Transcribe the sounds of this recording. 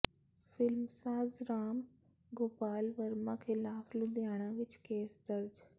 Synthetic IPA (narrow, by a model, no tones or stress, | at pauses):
fɪlmsaːzɾaːm | ɡoːpaːlʋɐɾmãkʰɪlaːflʊd̪jaːɽ̃ãʋɪt͡ʃkeːsd̪ɐɾd͡ʒ